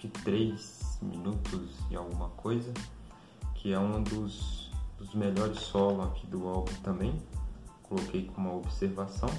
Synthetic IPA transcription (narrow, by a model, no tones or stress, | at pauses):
ɪt̪ɾejsmḭ̃nut̪ʊzd͡ʒɪawɡũmɐkʰojzɐ | kʰɪɛũd̪ʊsd̪ʊzmeʎɔɾɪsːɔlʊakʰid̪ʊawɡʊ̃t̪ɐ̃mbẽj̃kolokejkõũmɐobiseɾvasɐ̃w̃